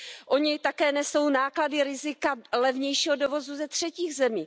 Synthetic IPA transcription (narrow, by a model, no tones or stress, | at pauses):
ʔoɲɪt̪akɛːnɛso̞wnaːkladɪɾɪzɪkalɛvɲɛjʃiːɦodovo̞zuzɛt̪r̝̥ɛciːɣzɛmiː